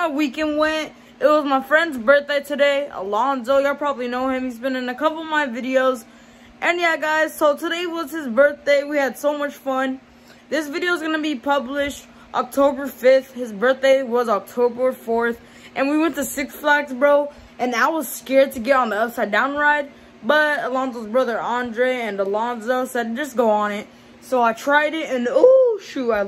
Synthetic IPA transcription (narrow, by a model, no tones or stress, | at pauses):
awikɛ̃nd̚wɛ̃nt | ʔɨt̚wʌzmaɪfɹɛ̃ndzbɜ˞θd̥eɪtʰɨɾeɪə̰lɔ̃ndoʊjaɪpʰɹ̥ɑbəblinoʊhɪ̃mizbɨ̃nɨ̃nɨkʌpl̩ˠʌvmaɪvɪɾioʊz | ʔɨ̃njæɡaɪz̥soʊtʰəɾeɪwʌz̥ɨzbɜ˞θd̥eɪwiɨd̥soʊmʌt͡ʃfʌ̃n | ðɪsvɪɾioʊzɡʌnɨbipʰʌblɪʃt̚ | ʔɑk̚tʰoʊbə˞fɪθhɨzbɜ˞θd̥eɪwʌzɑk̚tʰoʊbə˞fɔɹθ | ʔɨ̃nwiwɛ̃ntɨsɪksflæksbɹoʊ | ʔɨ̃naɪwʌz̥skɛɹd̚tʰɨɡɛɾn̩ðiʌpsaɪdãʊ̃nɹaɪd̚ | b̥ʌɾəlɑ̃nzoʊzbɹʌðə˞ʔɑ̃ndɹeɪɨ̃nəlɑ̃nzoʊsɛd̚d͡ʒʌsɡ̥oʊə̃nɪt̚ | soʊaɪtʰɹ̥aɪɾɪtɨ̃noʃuaɪ